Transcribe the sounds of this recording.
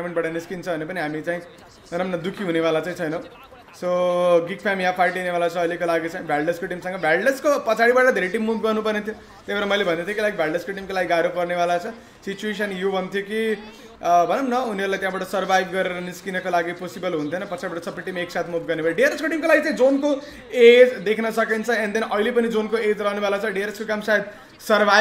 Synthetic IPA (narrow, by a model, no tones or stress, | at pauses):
meɳʈ̚baʈʌniskint͡sʰʌbʱʌnepʌniɦamit͡saĩ | bʱʌnʌmnʌd̪ukʰiɦunebalat͡saĩt͡sʰʌjnʌ | soɡiɡpʰamjãpʰajʈinebalat͡sʰʌːlekolaɡit͡saĩbʱjaɭɖʌskoʈimsʌ̃ŋɡʌbʱjalɖʌskopʌt͡sʰaɽibaʈʌd̪ʱeɾeʈimːubɡʌrnupʌrnet̪ʰjo | t̪ebeɾʌmʌjlebʱʌnd̪ʌt̪ʰjokolaɡibʱjalɖʌskoʈimkolaɡiɡaɾopʌrnebalat͡sʰʌ | sit͡ʃues̬ʌnjobʱʌnt̪ʰjoki | bʱʌnʌmnʌuniʌɾulajt̪jãbaʈʌsʌɾbʱajbɡʌɾeɾʌniskinʌkolaɡiposibʌlɦunt̪ʰjonʌpʌt͡sʰaɽibaʈʌsʌbeʈimeksat̪ʰmubɡʌrnebʱaiɖieɾeskoʈimkolaɡit͡saĩd͡zonko | ed͡zd̪ekʰnʌsʌkint͡sʰʌend̪enʌilepʌnid͡zonkoed͡zrʌɦnebʱʌlat͡sʰʌɖieɾeskokamsaed̪̚ | sʌrbʱa